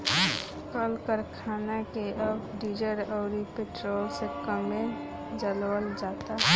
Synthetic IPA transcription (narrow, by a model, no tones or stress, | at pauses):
kəlkəɾkʰaːnakeʔəbɖid͡ʒəɾəʊɾipeʈɾoːlsekəme | d͡ʒəlwəld͡ʒat̪aɦ